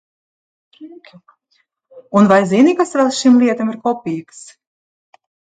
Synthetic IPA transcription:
unvajzinikasvɛlˠsʃimlʲˠiɛt̪amiɾkɔpʲiːks

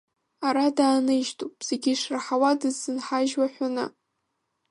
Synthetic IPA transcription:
aɾadaːnɨʒtʰʼupʼz̥eɡʲiʂraħawadɨzːɨnħaʒwaħʷanɨ̰

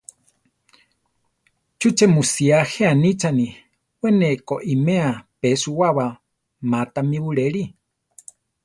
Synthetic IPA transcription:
t͡ʃut͡ʃemusiaheanit͡ʃani | wenekoʔimeapesuwawa | mat̪amiβuɺeɺi

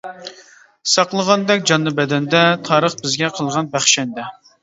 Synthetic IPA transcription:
sɑqlˠəʁɑnd̪ɛkʲd͡ʒɑnːɨbɛd̪ɛnd̪ɛt̪ʰɑːɾəχbɪzɡʲɛqʰəlˠʁɑnbæχʃɛnd̪ɛ

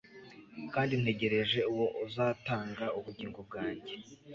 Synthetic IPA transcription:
kaːndin̥he̞ɟe̞ɾe̞ʒe̞uwo̞ʔuzaːtaːŋɡauβuɟiːŋɡob̚ɡaːɲɟe

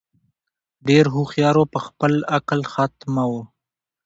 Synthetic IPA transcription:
ɖeɾɦuxjɑɾopəxpəlaklxat̪mawo

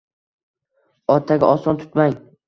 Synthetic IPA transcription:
ɒt̪ʰaɡʲa̰ʔɒsɒnt̪ʰʊ̥t̪maŋ

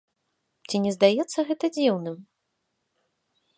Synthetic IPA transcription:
t͡sʲinʲɛzd̪ajɛt̪sːɐɣɛt̪ɐd͡zʲiwnɨm

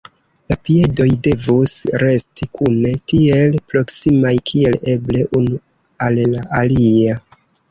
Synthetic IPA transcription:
lapie̞do̞jde̞vusɾe̞stikʰune̞tie̞lpɾo̞ksimajkʰie̞le̞ble̞ʔunu | allaʔalia

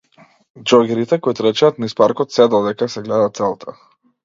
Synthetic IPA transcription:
d͡ʒɔɡɛɾit̪ɛkɔjt̪ɾɛt͡ʃaːt̪nispaɾkɔt̪sɛd̪ɔd̪ɛkasɛɡlɛd̪at̪sɛlˠt̪ʰa

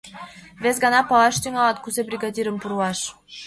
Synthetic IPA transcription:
vʲezɡɑnɑpɑlˠɑʃt̪iŋɑlɑt̪̚kuzebrʲiɡɑd̪ʲiɾə̆mpuɾuɑʃ

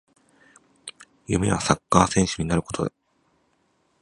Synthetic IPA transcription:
jɯme̞βasakːaːsẽ̞ɰ̃ɕɨɲ̟inaɾɯ̟ko̞t̪ʰo̞d̪a

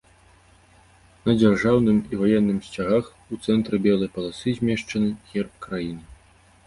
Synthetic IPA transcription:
nɐd͡zʲarʐawnɨmivajɛnːɨmsʲt͡sʲaɣax | ut̪sɛnt̪ɾɨbʲɛlˠɐjpɐlˠasɨzʲmʲɛʂt͡ʂɐnɨɣʲɛrp̚kɾajinɨ

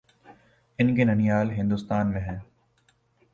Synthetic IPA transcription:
ɪnkenɐnijaːlɦɪ̃nd̪ʊst̪aːnmẽɦɛ̃ː

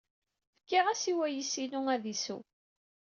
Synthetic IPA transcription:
fə̥kːɪʁæsiwæjisinuæðisṵ

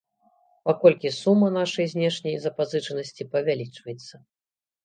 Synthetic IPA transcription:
pakɔlʲkʲisumːɐnaʂɐjzʲnʲɛʂnʲɐjzɐpazɨt͡ʂɐnɐsʲt͡sʲipɐvʲalʲit͡ʂvɐjɛt̪sːɐ

